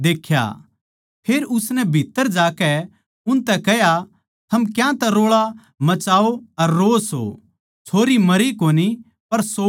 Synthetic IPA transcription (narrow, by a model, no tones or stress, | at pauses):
d̪eːkʰːja̰ | pʰeːɾʊsnɛbʱit̪ːəɾd͡ʒaːkɛ | ʊnt̪ɛkɛja | t̪ʰɐmkjãt̪ɛɾoːɭa | mɐt͡ʃaːoɐɾːoːso̰ | t͡ʃʰoːɾimɐɾikoːni | pɐɾso